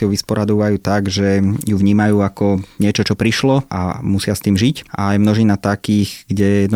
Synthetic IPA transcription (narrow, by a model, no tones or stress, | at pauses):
ɪɔʊʋispɔɾad̪ɔʋajuːt̪aɡʒɛjuʋɲiːmajuːakɔɲɪɛt͡ʃɔt͡ʃɔpɾiʃlɔa̰musɪast̪iːmʒica̰ːjmnɔʒiːnat̪akiːɣɡɟɛjɛd̪n